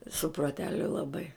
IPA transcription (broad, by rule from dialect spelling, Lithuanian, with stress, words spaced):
sʊ proːˈtʲæːlʲʊ lˠɐˈbɐɪ